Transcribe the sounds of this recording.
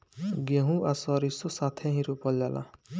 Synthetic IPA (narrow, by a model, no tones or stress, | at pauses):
ɡeɦũʔasɔɾisɔsat̪ʰɛɦĩɾupɔlalʔa̰